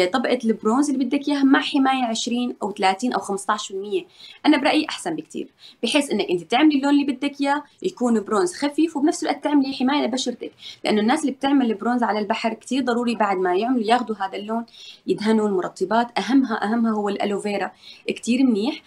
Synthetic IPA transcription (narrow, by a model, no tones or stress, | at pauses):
t̪ˤɑbʔalbɾoːnzɪlːibɪd̪ːakjaːmaʕħɪmaːjaʕɪʃɾiːnʔawt̪alaːt̪iːnʔawxamst̪ˤɑʕʃɾɪlmɪjːeʔanabɾˤɑʔjiʔaħsanbɪkt̪ḭːɾb̥ɪħeːsʔɪnːakʔɪnt̪it̪ɪʕmlilːoːnlːiːbɪd̪ːakjaːjakuːnbɾoːnzxafiːfwbnafsɪlwaʔt̪ːɪʕmliħɪmaːjabaʃɑɾˤt̪aklɪʔanːʊnːaːsɪlːib̚t̪ɪʕmalɪbɾoːnzʕalalbaħɾˤkt̪iːɾd̪ˤɑɾˤuːɾibaʕd̪̚majɪʕmalujaːxd̪uɦaːd̪alːoːnjɪd̪ɦanulmʊɾˤɑt̪ˤːɨbaːt̪ʔaɦamːɦaʔaɦamːhaɦʊwːɪlʔa̰loveːɾˤakt̪iːɾɪmːiːħ